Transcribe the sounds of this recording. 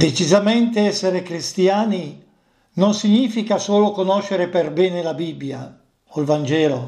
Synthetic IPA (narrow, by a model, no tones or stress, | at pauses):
d̪et͡ʃizament̪eɛsːeɾekɾist̪jaːni | nonsiɲːiːfikasoːlokonɔʃːeɾeperbɛːnelabibːja̰ | olvand͡ʒɛːlo